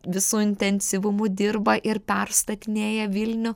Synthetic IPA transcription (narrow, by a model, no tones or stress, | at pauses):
ʋʲɪsuːɪnʲt̪ʲɛnʲsʲɪʋʊmʊd̪ʲɪɾbɐʔɪɾpʲɛɾst̪ɐt̪ʲɪnʲeːjɛʋʲɪlʲnʲʊ